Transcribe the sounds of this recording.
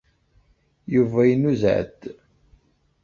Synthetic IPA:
juvæjənuzʕə̰d̪

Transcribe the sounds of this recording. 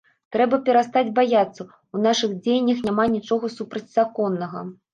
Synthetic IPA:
t̪ɾɛbɐpʲɛɾast̪ad͡zʲbajat̪sːɐ | unaʂɨɣd͡zʲejnʲːɐxnʲamanʲit͡ʂɔɣɐsupɾɐt͡sʲz̥akɔnːɐɣɐ̰

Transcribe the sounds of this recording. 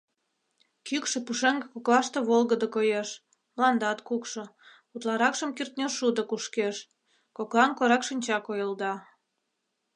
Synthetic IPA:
kykʃĕpuʃeŋɡekoklɑʃt̪ĕβolɣəd̪əkojeʃ | mlɑnd̪ɑt̪kukʃŏ | ut̪lɑɾɑkʃəmkirt̪nʲoʃud̪okuʃkeʃ | koklɑnkoɾɑkʃinʲt͡ɕɑkojəld̪ɑ

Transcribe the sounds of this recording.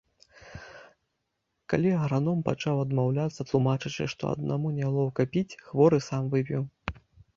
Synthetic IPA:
kalʲiɣɾanɔmpat͡ʂawɐd̪mawlʲat̪sɐt̪lˠumat͡ʂɨt͡ʂɨ̰ʂt̪ɔ̰ɐ̰d̪̚nʔa̰munʲalˠɔwkapʲit͡sʲxvɔɾɨsamvɨpʲiw

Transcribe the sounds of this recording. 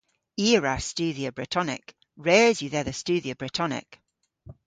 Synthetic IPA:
iːɹast͡ʃʉːðiəbɹɪtʰɔnɪ̰k | ɹɛzjʉðɛðəst͡ʃʉːðiəbɹɪtʰɔnɪ̰k

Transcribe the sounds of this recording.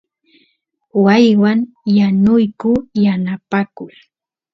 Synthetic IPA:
wajwaŋ | janʊjkʊjanapakʊj

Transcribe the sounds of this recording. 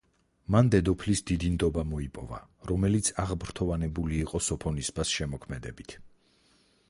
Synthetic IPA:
mand̪ɛd̪ɔpʰlisd̪id̪ind̪ɔbamɔipʼɔva̰ɾɔmɛlit̪sʰaʁbɾt̪ʰɔvanɛbuliːqʼɔsɔpʰɔnisbasʃɛmɔkʰmɛd̪ɛbit̪ʰ

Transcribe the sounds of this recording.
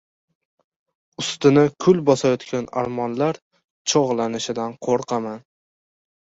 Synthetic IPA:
ʊst̪ɪnɪkʲʰʊlbɒsajɒt̪kʲʰana̰ɾmɒnlaɾ | t͡ʃʰoʁlˠanɪʃɪd̪anqʰoɾqʰɑman

